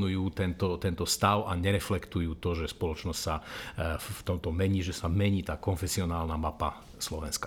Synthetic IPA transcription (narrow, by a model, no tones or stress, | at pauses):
nujuːt̪ɛnt̪ɔt̪ɛnt̪ɔst̪aʊʔaɲɛɾɛflɛkt̪ujuːt̪ɔʒɛspɔlɔt͡ʃnɔscʲsa | ft̪ɔmt̪ɔmɛɲiːʒɛsamɛɲiːt̪aːkɔnfɛsiɔnaːlnamapa | slɔʋɛnska